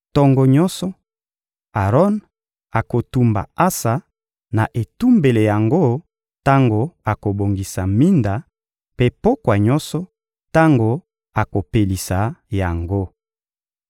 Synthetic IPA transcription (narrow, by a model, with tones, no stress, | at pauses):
tɔ˦ŋɡɔ˨ɲɔ˦sɔ˦ | a˨ʁɔ˦n | a˨ko˨tu˦mba̰˨a˦sa˨ | na˨ʔe˨tu˦mbe˨le˨ja˨ŋɡo˦ | ta˦ŋɡo˨a˨ko˨bo˨ŋɡi˨sa˨mi˦nda˨ | pe˦po˦kwa˨ɲɔ˦nsɔ˦ | ta˦ŋɡo˨ | a˨ko˨pe˨li˨sa˨ja˨ŋɡo˦